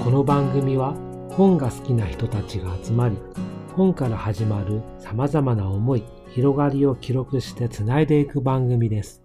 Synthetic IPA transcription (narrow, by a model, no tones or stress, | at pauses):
ko̞no̞bãŋɡɯ̟mʲiβa | hõ̞ŋɡasɨ̥kʲinaçi̥t̪o̞t̪at͡ɕiɡaːt͡sɨmaɾʲihõ̞ŋkaɾahaʑimaɾɯ̟samazamanaomo̞i | çiɾo̞ɡaɾʲio̞kʲiɾo̞kɯ̟ɕi̥t̪e̞t͡sɨnaed̪e̞ikɯ̟bãŋɡɯ̟mʲid̪e̞sɨ̥